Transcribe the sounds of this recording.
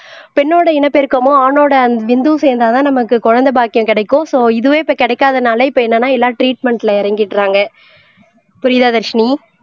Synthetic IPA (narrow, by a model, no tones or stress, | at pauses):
pɛnːoːɽɐɪnɐpːɪɾɯkːɐmoːaːnoːɽɐɐnʋɪnd̪uːseːɾnd̪aːt̪ãːnɐmɐkːɯkɔɻɐnd̪ɐbaːkːɪjʊ̃kɪɽɐɪkːõsoːɪðɯʋẽːɪpːɐːkɪɽɐɪkːaːðɐnaːlɐɪpːoːɛnːɐnːaːɛlːaːʈɾiːʈmɛɳʈɪlɐɪɾɐŋɡɪʈːɾaːŋɡɐ | pʊɾɪðaːðɐɾʂɐni